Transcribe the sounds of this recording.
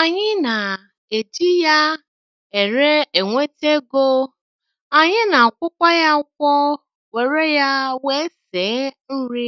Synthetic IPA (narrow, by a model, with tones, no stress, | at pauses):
a˨ɲɪ˦na˨ | e˨d͡ʒi˦ja˦ | e˨ɾe˦e˨ŋʷe˦te˦ɡo˦ | a˨ɲɪ˦na˨kʷʊ˦kʷɔ˦ja˦kʷɔ˦ | we˨ɾe˦ja˦we˦seː˨˦n̩˦ɾi˦